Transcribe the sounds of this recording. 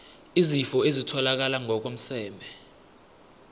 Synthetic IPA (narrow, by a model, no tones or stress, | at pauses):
izifɔezitʰɔlak̬alaŋɔk̬om̩sɛːmbʱɛ